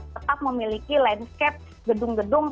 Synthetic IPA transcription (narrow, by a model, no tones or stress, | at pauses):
ət̪ap̚məmilikilaɪnskɛp̚ | ɡədʊŋɡədʊŋ